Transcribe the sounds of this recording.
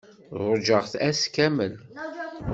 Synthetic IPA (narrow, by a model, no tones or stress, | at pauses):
ðˤʊd͡ʒəʁθæskæmən